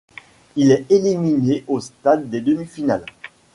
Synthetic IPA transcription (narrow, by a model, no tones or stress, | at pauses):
ilɛelimineost̪ad̪ːed̪əmifinal